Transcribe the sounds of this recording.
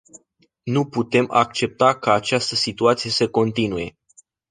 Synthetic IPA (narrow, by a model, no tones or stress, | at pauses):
nuput̪e̞mʔa̰kt͡ʃe̞p̚t̪akaːt͡ʃast̪əsit̪uat̪sije̞səko̞nt̪inuje̞